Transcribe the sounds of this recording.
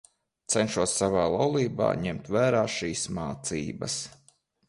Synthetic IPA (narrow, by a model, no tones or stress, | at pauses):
t̪sɛnʃuɔsːavaːlˠawlˠiːba̰ːɲemt̪væːɾaːʃiːsmaːt̪siːbɐ̰s